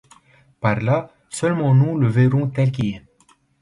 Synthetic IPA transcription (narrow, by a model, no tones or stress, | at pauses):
paʁla | sœlmɑ̃nuləveʁɔ̃t̪ɛlkiɛ